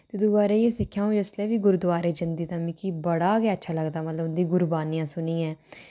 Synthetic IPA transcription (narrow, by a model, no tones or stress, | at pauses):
t̪ɪd̪uɡaːɾeːeːsɪkʰːjaːũːd͡ʒɪslɛːʋiːɡʊɾd̪aːɾeːd͡ʒənd̪iːt̪ãːmiːkibəɽaːɡɛətːʃʰaːləɡd̪aːmət̪ləbnd̪iːɡʊɾbaːnijãːsʊniːɛ̃ː